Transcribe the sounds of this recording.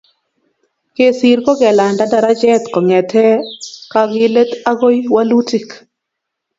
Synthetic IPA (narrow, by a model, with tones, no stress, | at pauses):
ke˦si˨ɾkɔ˦ɡɛ˨la˨nda˦da˨ɾa˦d͡ʒɛ˦t̪kɔ˨ŋɛ˨t̪ʰɛ˦ka˦ɡɪ˦le˦t̪a˦ɡo˦jwa˦lu˦ti˨k